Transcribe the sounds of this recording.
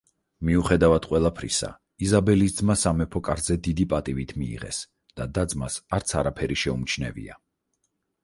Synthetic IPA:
miuχɛd̪avad̪̥qʼwɛlˠapʰɾḭsa̰ | izabɛlisd̪zmasamɛpʰɔkʼaɾzɛd̪id̪ipʼat̪ʼivit̪ʰmḭːʁɛ̰s | d̪̥ad̪ad̪zmasaɾt̪sʰaɾapʰɛɾiʃɛumt͡ʃʰnɛ̰vḭa̰

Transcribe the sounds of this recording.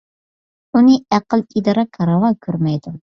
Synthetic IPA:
unɨæqəlˠid̪ɑɾɑkʰɑɾɑʁɑkʲʰøɾmɛjd̪u

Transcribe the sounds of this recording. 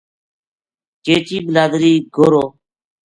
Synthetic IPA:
keːt͡ʃiːbɪlaːd̪ɾiːɡoːɾoː

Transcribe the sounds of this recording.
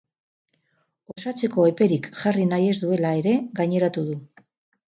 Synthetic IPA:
o̞sat͡se̞ko̞e̞pe̞ɾikʝarinaje̞zd̪ue̞lae̞ɾe̞ɡajɲe̞ɾat̪uðu

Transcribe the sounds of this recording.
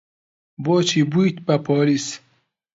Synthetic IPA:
boːt͡ɕʰibuit̪papʰoːlis

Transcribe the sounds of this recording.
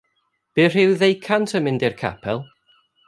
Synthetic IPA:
b̥ɨr̥ɪwðejkʰantʰəmɪndɪrkʰa̰pʰɛlˠ

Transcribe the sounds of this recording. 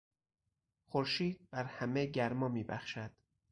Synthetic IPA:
xoɾʃiːd̪̚bæɾhæmeɟæɾmɒːmiːbæ̰xʃæd̪̥

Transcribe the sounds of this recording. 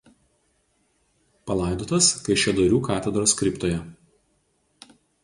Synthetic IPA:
pɐlˠɐˑɪd̪oːt̪ɐskɐɪʃʲɛd̪oɾʲuːkɑːt̪ʲɛd̪ɾoskɾʲɪpt̪oːjɛ

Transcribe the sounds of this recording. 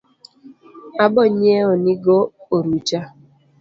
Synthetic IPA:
abɔɲeoniɡooɾut͡ʃa

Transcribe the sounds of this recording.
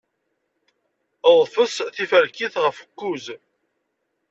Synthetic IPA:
əðˤfəsθifæɾkiθʁəfə̥kːuz

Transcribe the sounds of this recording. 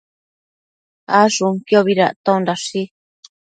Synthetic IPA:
aʐuŋkjoβiɾa̰t̪ãõndaʂi

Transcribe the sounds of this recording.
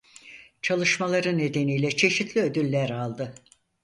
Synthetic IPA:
t͡ʃʰalˠɯʃmalˠaɾɯnːe̞d̪e̞nijlʲɛt͡ʃʰe̞ʃit̪ʰlʲiø̞d̪ylʲːæɾalˠd̪ɯ

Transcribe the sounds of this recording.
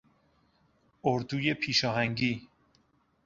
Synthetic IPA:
oɾd̪uːjepʰiːʃɒːɦæŋɟiː

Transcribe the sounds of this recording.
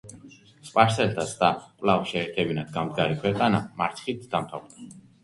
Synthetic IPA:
spʼaɾsɛlt̪ʰasʰd̪akʼlavʃɛːɾt̪ʰɛbinad̪ɡamd̪ɡaɾikʰwɛqʼana̰maɾt̪sʰχit̪ʰd̪̥amt̪ʰavd̪ḁ

